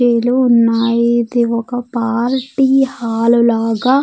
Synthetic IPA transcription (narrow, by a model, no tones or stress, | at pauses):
eːluːnːaːjid̪iɔkɐpaːɾʈihaːlulaːɡa